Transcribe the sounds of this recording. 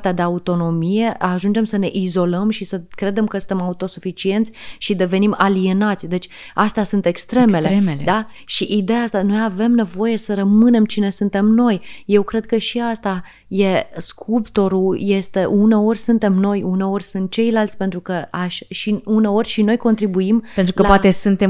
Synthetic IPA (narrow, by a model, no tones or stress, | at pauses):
t̪ead̪e̞aut̪o̞no̞mije̞aʒund͡ʒe̞msəne̞ʔizo̞ləmʃisəkɾe̞d̪e̞mkəsɨ̥nemaut̪o̞sufit͡ʃie̞nt̪sʲʃid̪e̞ve̞nimalie̞nat̪sʲd̪e̞t͡ʃʲ | ast̪asunt̪ekst̪ɾe̞me̞le̞d̪a | ʃiʔid̪e̞jaast̪ano̞jave̞mne̞vo̞je̞səɾəmɨne̞mt͡ʃine̞sunt̪e̞mno̞jje̞wkɾe̞d̪̚kəʃiast̪a | je̞skʰupt̪o̞ɾuje̞st̪e̞ʔune̞o̞rʲsɨnt̪e̞mno̞june̞o̞ɾʲsɨnt̪̚t͡ʃe̞jlalt̪sʲpe̞nt̪ɾukəaʃʃiuneo̞rʲʃino̞jko̞nt̪ɾibuiment̪ɾukəapat̪esɨnt̪e